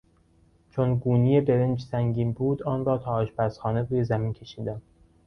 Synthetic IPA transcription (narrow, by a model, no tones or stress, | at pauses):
t͡ʃʰonɡuːnijebeɾend͡ʒsæŋɟʲiːnbuːd̪ɒːnrɒːt̪ʰɒːʔɒːʃpæsxɒːne̞ɾuːje̞zæmiːncʲʰe̞ʃiːd̪æm